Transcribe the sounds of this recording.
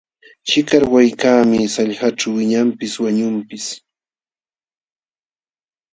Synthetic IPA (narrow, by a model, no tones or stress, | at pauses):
t͡ʃɪkaɾwajkaːmɪsaʎɢaʈ͡ʂawwɪɲampɪswaɲʊmpɪs